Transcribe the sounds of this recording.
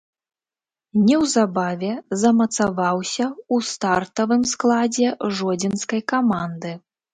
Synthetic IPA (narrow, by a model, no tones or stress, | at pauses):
nʲɛwzabavʲɛzɐmɐt̪savawsʲɐust̪art̪ɐvɨmsklˠad͡zʲɛʐɔd͡zʲinskɐjkamand̪ɨ